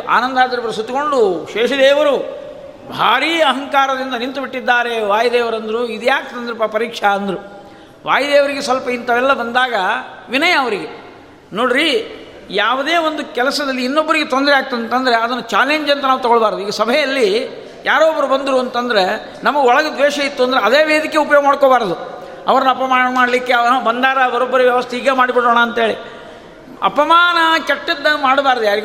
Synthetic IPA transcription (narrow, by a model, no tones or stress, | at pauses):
a̰ːnɐnd̪aːd̪ɐɾupɐɾɐsut̪ːuko̞ɳɖuʃɛːʂɐd̪ɛːʋɐɾu | bʱa̰ːɾiːɐɦɐŋkaːɾɐd̪ind̪ɐnint̪ubiʈːid̪ːaːɾe̞ʋaːjɐd̪ɛːʋɐɾɐnd̪ɐɾuid̪jaːk̚t̪ːɐnd̪ɾepɐpɐɾiːkʂɐɐnd̪ɐɾu | ʋaːjɐd̪ɛːʋɐɾiɡesʋɐlpɐint̪ɐʋɛlːɐbɐnd̪aːɡɐʋinɐjɐːʋɐɾiɡe | noːɽiɾi | jaːʋud̪eːʋond̪ukɛlɐsɐd̪ɐlːiːnːobːɐɾiɡet̪ond̪ɾɛaːk̚t̪ɐd̪ɐnt̪ɐnd̪ɐɾe̞ɐd̪ɐnːut͡ʃaːleɲd͡ʒɐnt̪ɐnaːʋut̪ɐɡɔɭbaːɾɐd̪uiːɡɐsɐbʱɐjɐlːi | jʔaːɾoːbɐɾubɐnd̪ɾuɐnt̪ɐnd̪ɐɾe̞ | nɐmɐɡɔɭɐɡɐd̪ʋɛːʃɐit̪ːuɐnd̪ɐɾeɐd̪eːʋeːd̪ikːeupɐjoːɡɐmaːɽkoːbaːɾɐd̪u | ɐ̰ʋɐɾɐnːɐpɐmaːɳɐmaːɽlikːeɐʋɐbɐnd̪aːɾɐbɐɾɔbːɐɾuʋjɛʋɐst̪ʰɛiːɡemaːɽibiɽoːɳɐːnt̪ɐɦeːɭi | ɐ̰pɐmaːnɐkeʈːid̪ːɐmaːɽbaːɾɐd̪ujaːɾiɡ